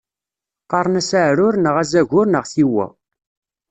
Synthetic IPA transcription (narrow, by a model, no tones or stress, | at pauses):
qɑɾˤnæsaʕɾʊɾnəʁæzæʝʊɾnəʁθiwæ̰